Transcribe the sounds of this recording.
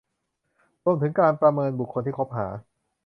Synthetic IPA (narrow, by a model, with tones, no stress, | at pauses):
ɾu˧əmt̪ʰɯ˩˦ŋkaː˧npɾa˧mɤː˧nbu˨˩kʰːo˧nt̪ʰiː˥˩kʰo˦˥p̚ɦaː˩˦